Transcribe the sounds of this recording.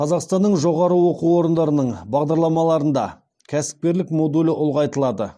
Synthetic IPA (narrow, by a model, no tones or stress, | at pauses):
qʰɑzɑqst̪ɑnːəɴʒo̞ʁɑɾəwo̞quwo̞ɾənd̪ɑɾənəɴbɑʁd̪ɑɾlˠɑmɑlˠɑɾənd̪ɑ̰ | kʲʰæsɪ̥p̚kʲe̞ɾlɪkmo̞d̪ulɪʔʊlˠʁɑjt̪əlˠɑd̪ə